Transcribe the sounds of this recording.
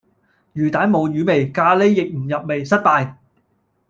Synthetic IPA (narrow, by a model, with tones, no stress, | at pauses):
jyː˨˩t̪aː˨˥nmo˨˧wjyː˨˧me˨jkaː˧le˥jːɪ˨k̚m̩˨˩jɐ˨p̚me˨˩jsɐ˥t̚p̪aː˨˧j